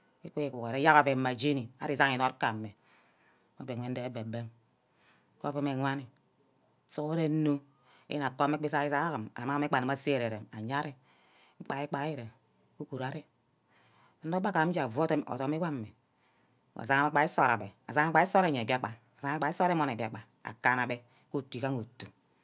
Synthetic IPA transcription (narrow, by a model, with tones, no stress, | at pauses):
e˦kʷe˦i˨kʷu˨kɾe˦a˦ka˨ve˨˦ma˨d͡ʒe˦ni˨a˦ɾi˦˨za˦ŋi˨no˦ɾka˨me˨ | o˨˦be˨ŋʷe˦n˦e˨e˦be˨be˦m˦ | ko˦be˦me˨ŋʷa˦ni˨˦ | so˦ɾe˦no˦ | ḛ˦je˦na˨ko˦m˦e˦k͡pe˦sa˦i˦za˦ka˨ma̰˨ma˦me˦k͡pa˨ni˨ma˦se˦e˨ɾe˨ɾe˨ma˨ɲa˦ɾe˦ | ŋ͡m̩˦k͡pa˨i˦k͡pa˨˦ji˦ɾe˨ | ku˦ku˨ɾa˨ɾe˦ | n˦do˦ba˦ka˨˦m˦d͡ʒa˨vo˦te˦mo̰˨to˨˦mi˦wa˦˨me˨ | a̰˨za˦ŋa˦ma˦k͡pa˨i˦so˦˨ɾa˨be˨a˨za˦ŋa˦k͡pa˨˦i˦so˦ɾe˦˨ɲe˨ba˦k͡pa˨za˦ŋ˦k͡pa˨˦i˦so˦ɾe˦mo˦ne˨bi˨a˨k͡pa˨ | a̰˨ka˦na˨be˦ | ko˦˨tːu˨i˨ka˦ŋo˨tːu˨